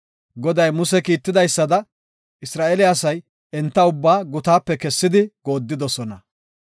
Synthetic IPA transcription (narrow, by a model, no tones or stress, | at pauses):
ɡɔd̪ɐjmʊsɛkiːt̪ːɪd̪ɐjsːɐd̪ɐ | ʔɪsɾaːʔɛlɪɐsɐj | ɛnt̪ːɐʊbːaːɡʊt̪aːpːɛkɛsːɪd̪ɪɡo̞ːd̪ːɪd̪ɔsɔnɐ